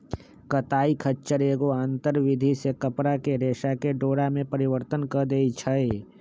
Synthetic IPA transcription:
kət̪aːikʰətːt͡ʃːʃəɾeːɡoãːnt̪əɾʋɪd̪ʱisekəpɾakeɾeːʃakeɖoːɽamẽpəɾɪʋəɾt̪ənkəd̪eːit͡ʃʰəe

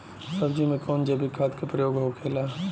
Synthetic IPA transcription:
sɐbd͡ʒimẽkɔːnd͡ʒɐbʱikʰaːt̪kepɾɐjoːɡɦokʰeːlaː

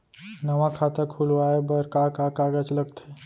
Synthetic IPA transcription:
nɐʋãkʰaːt̪ekʰulʋaːebəɾkakakaːɡət͡ʃlɐɡt̪e

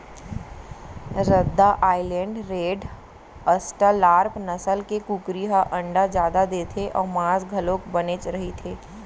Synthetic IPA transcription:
ɾəd̪ːaʔaːɪlɛ̃ːɳɖɾeːɖ | əsʈalaːɾpnɐsəlkekukɾiɦaʔɐ̃ɳɖad͡ʒjaːd̪ad̪eːt̪ʰeʔɔːɾmãːsɡʱɐlõːkbɐnet͡ʃɾɐɦit̪ʰeː

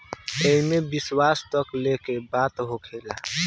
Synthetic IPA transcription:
eɦmebɪswaːst̪əklekebaːt̪ɦokʰeːlaː

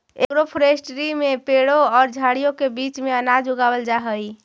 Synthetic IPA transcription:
ekɾopʰɾesʈɾimepeɽoɔːɾd͡ʒʱaɽijokebit͡ʃmeənad͡ʒuɡabəld͡ʒaɦəj

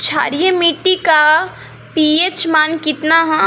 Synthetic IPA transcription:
t͡ʃʰa̰ɾijemiʈːika | piet͡ʃmaːnkit̪naɦɐ̃

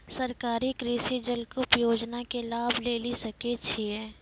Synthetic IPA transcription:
sɐɾkaːɾikɾiːsid͡ʒəlkupjoːd͡ʒnakelaːbʱleːlisɐket͡ʃʰiɛː

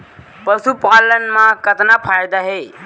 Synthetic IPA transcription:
pəsupalənmãkət̪napʰajd̪aɦe

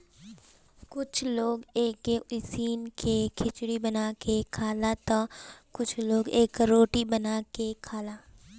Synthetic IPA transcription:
kʊt͡ʃʰloːɡeːkeɪsiːnkekʰɪt͡ʃɽibənaːkekʰaːlat̪akʊt͡ʃʰloːɡeːkɾoːʈibənaːkekʰaːlaː

